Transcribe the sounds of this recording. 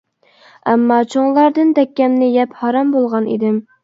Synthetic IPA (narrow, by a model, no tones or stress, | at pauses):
ɛ̰mːɑt͡ʃʰoŋlˠɑɾd̪ɨnd̪ɛkʲːɛmnɪjɛphɑɾɑmbolˠʁɑnḭd̪ɪm